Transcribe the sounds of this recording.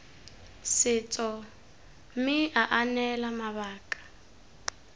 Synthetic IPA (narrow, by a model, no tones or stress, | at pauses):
sɪt͡sʼɔ | mɪaʔanɛlamaβaːkʼḁ